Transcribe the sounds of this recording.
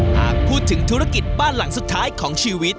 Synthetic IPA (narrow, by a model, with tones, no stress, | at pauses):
ha̰ː˨˩k̚pʰuː˥˩t̪ʰːɯ˩˦ŋt̪ʰuː˦˥ɾa˧˩ki˨˩t̪̚baː˥˩nla˩˦ŋsu˨˩t̪ʰːaː˦˥jkʰɔː˩˦ŋt͡ɕʰiː˧wi˦˥t̪̚